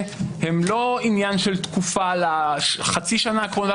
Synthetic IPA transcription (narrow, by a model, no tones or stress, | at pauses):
hemloinjanʃelt̪kufalaχat͡siʃanakola